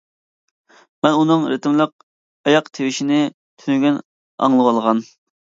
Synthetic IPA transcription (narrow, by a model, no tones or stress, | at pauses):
mɛnunɨŋɾet̪ɪmlˠəq̚ | ɑjɑqt̪ʰewɪʃinɪ | t̪ʰynyɡʲɛn | ɑ̰ŋlˠəwɑlˠʁɑn